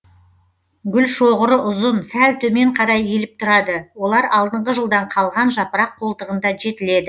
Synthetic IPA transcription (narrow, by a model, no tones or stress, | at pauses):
ɡʲʏlʃoʁəɾəʔʊzənsælt̪ʰɵme̞ɴqʰɑɾɑje̞lɪp̚t̪ʰʊɾɑd̪əwolˠɑɾɑlˠd̪əɴʁəʒəlˠd̪ɑɴqʰɑlˠʁɑnʒɑpəɾɑqʰːo̞lˠt̪əʁənd̪ɑʒe̞t̪ɪle̞d̪ɪ